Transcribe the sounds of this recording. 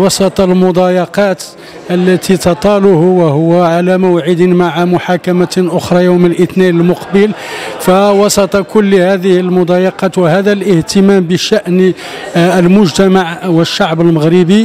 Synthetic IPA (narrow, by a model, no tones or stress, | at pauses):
wɑsˤɑt̪ˤɑlmʊd̪ˤɑjɑqɑt̪ | ʔəlːæt̪ʰit̪ɑt̪ˤɑlʊhwəhʊwːʕalæmʊwʕəd̪əmaʕamʊħakæmaʔʊxɾˤɑjowməlʔət̪ninəlmʊqbəl | fæwɑsˤɑt̪ˤɑkʊlːhæd̪əhəlmʊd̪ˤɑjɑqɑt̪wəhæd̪ælʔəht̪əmæmbəʃæʔn | əlmʊʒt̪æmaʕwəʃːaʕbəlməɣɾəbi